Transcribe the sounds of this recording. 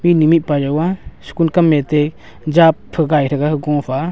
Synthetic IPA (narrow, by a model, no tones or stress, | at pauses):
minimit̪̚pad͡ʒawaskunkamːete | d͡ʒap̚pʰɯɡajɾʰɐɡaɦɯɡɔ̃pʰa